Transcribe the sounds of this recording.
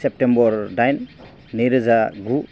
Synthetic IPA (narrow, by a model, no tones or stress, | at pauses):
sep̚tembɔɾdajnː | ɯjɾɯzaɡu